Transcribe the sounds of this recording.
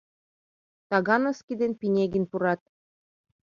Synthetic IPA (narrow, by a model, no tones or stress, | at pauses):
t̪ɑɣɑnɤ̆skʲid̪enpinʲeɡɘ̆npuɾɑt̪̚